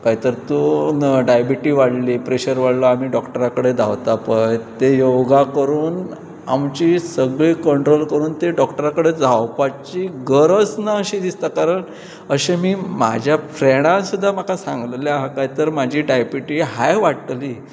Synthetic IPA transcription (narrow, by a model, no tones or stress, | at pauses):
kaɦit̪əɾt̪uɖajbiʈiːʋaɽliːpɾeɕəɾʋaɽləamiːɖɔkʈəɾakəɽed̪ʱawt̪apəjt̪ejowɡakəɾuːn | amt͡ɕisəɡɭiːkəɳʈɾolkəɾuːnt̪eɖɔkʈəɾakəɽed͡zʱawpat͡ɕiɡəɾəsnaəɕid̪ist̪akaɾəɳ | əɕemiːma̰d͡ʑʱjafɾeɽ̃ãsud̪ʱːamakʰasã̰ŋɡlljaɦakaɦit̪əɾmad͡ʑʱiːɖajbiʈiːɦajʋaɽʈliː